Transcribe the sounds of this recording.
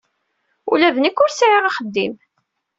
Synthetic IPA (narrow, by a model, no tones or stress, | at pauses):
ṵlævənikːʊɾsʕiʁɑχəd̪ːim